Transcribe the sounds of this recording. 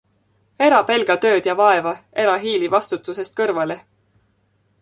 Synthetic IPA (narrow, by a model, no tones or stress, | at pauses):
e̞ɾɑpe̞lɡ̥ɑt̪ø̞ːd̪̥jɑvɑe̞vɑe̞ɾɑɦiːlivɑst̪ut̪ːˑuse̞st̪̚kɤrvɑle̞